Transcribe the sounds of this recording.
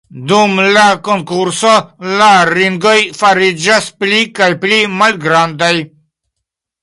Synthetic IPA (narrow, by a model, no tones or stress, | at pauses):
d̪umlakoŋkuɾsolaɾiŋɡojfaɾid͡ʒasplikajplimalɡɾand̪aj